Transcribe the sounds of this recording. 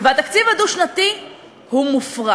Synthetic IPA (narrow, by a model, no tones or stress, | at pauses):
veat̪akt͡sivaduʃnat̪i | humufʁa